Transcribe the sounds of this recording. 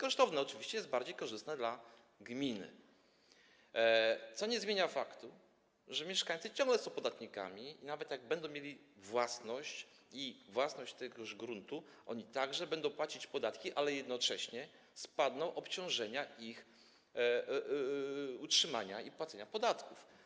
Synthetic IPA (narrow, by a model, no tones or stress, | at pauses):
kɔʂt̪ɔvnɛɔt͡ʂɘvʲiɕt͡ɕɛjɛsd̪baɾd͡ʑejkɔʐɨst̪nɛd̪la | ɡmʲinɘ̰ | t̪sɔɲɛzmʲjeɲafakt̪u | ʐɛmʲjɛʂkaɲt̪sɨt͡ɕɔ̃ŋɡlɛsɔ̃w̃pɔd̪at̪ɲika̰mʲiinavɛt̪jaɡ̚bɛnd̪ɔ̃w̃mʲjelʲi | vwasnɔɕt͡ɕ | ivwasnɔɕt͡ɕt̪ɛɡɔʐɡɾunt̪uʔɔ̰ɲit̪aɡʐɛbɛnd̪ɔ̃w̃pwat͡ɕit͡ɕpɔd̪at̪kʲiʔalɛjɛd̪nɔt͡ʂɛɕɲɛ | spad̪nɔ̃w̃ʔɔpt͡ɕɔ̃w̃ʐɛɲaix | utʂɘma̰ɲaipwat̪sɛɲapɔd̪at̪kuf